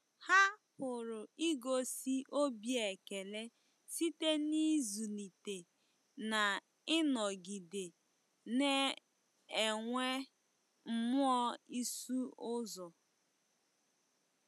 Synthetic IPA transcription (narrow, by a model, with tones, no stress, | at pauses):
ha˦pʊ˨ɾʊ˨i˦ɡo˦si˦ʔo˦bje˨ke˨le˦ | si˦te˦ni˦zu˨li˨te˨ | na˨ | ɪ˦nɔ˨ɡi˨de˨ | ne˦ | e˨ŋʷe˦ | m̩˨mʊ˦ɔ˦i˦su˦ʊ˦zɔ˨